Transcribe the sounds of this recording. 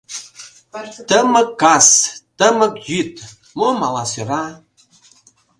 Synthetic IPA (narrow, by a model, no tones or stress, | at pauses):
t̪əmə̆kːɑst̪əmə̆kjyt̪ | momɑlɑsøɾɑ